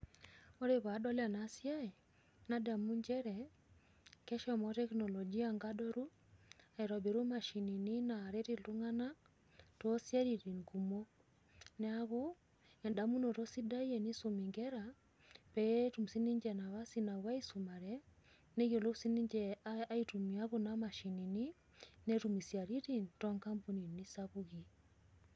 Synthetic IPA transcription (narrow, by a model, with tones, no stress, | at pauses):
o˦ɾe˦βa˨˦dɔ˦la˨nasja˦ɛ˨ | na˦da˨mu˦ɲd͡ʒɛɾɛ | kɛ˦ʃɔmɔ˦tɛ˦knɔ˨lɔ˨ɡi˦aŋɡa˦dɔ˦ɾu˦ | a˨i˨ɾɔ˨be˨ɾu˦ma˨ʃi˨ni˨ni˦na˨ɾe˦ɾi˦lu˦ŋa˦na˦ | tɔsja˦ɾi˨ɾi˨ŋku˨mo˦ | nɛaβo˦ | ŋɛ˨ndamu˦nɔ˨ɾɔ˦si˦da˦iɛni˦somi˨ŋɡɛɾa | pɛjɛtu˨msi˦ni˦ɲd͡ʒɛna˨βa˦sina˨βwa˦i˦suma˨ɾɛ | ne˦ɣɔ˨lo˦si˦ni˦ɲd͡ʒɛa˦itu˨mia˦βunamaʃi˨ni˨ni | nɛtumi˨sja˨ɾi˦ɾintɔ˦ŋka˦mpu˦ni˨ni˦saβuɣi˨